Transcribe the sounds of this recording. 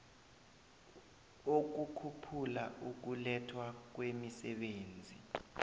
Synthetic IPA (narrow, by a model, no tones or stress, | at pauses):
ok̬ukʰupʰulauk̬ulɛtʰwak̬wemisɛɓeːnd͡zʱi